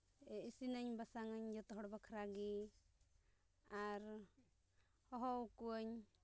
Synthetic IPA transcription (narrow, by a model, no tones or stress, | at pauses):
isinəɲbasaŋəɲd͡ʒɔt̪ɔɦɔɽbakʰɾaɡi | aɾ | hɔɦɔwkuəɲ